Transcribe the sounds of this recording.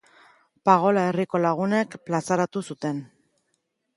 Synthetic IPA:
paɣ̞o̞lae̞riko̞laɣ̞une̞kplasaɾat̪usut̪e̞n

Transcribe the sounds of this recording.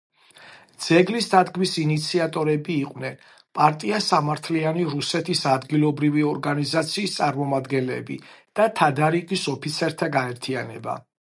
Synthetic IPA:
d̪z̥ɛɡlisd̪ad̪ɡmisinit̪sʰiat̪ʼɔɾɛbiːqʼvnɛn | pʼaɾt̪ʼiasamaɾt̪ʰlianiɾusɛt̪ʰisad̪ɡilˠɔbɾiviɔɾɡanizat̪sʰiːst̪sʼaɾmɔmad̪ɡɛnlɛ̰bḭd̪̥at̪ʰad̪aɾiqisɔpʰit̪sʰɛɾt̪ʰaɡaɛɾt̪ʰianɛba̰

